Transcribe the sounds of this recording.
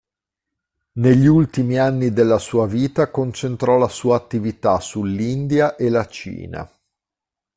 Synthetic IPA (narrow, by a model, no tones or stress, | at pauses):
neʎːiult̪imianːid̪elːasuːaviːt̪akont͡ʃent̪ɾɔlasuːaːt̪ːivit̪asulːind̪jaʔelat͡ʃḭːna̰